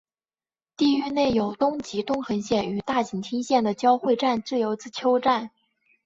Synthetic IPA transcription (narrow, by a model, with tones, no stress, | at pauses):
t̪i˥˧y˥˧ne˥˩ɪjo˨˩ʊt̪ʊ˥ŋt͡ɕi˧˥t̪ʊ˥ŋxə˧˥nɕjɛ˥˩ny˨˩t̪a˥˩t͡ɕi˨˩ŋt̪ʰi˥ŋɕjɛ˥˩nd̪ə˩t͡ɕjɑ˥ʊxwe˥˧ɪʈ͡ʂa˥˧nʈ͡ʂɻ̩˥˩jo˧˥ʊt͡sɹ̩˥˩t͡ɕʰjo˥ʊʈ͡ʂa˥˩n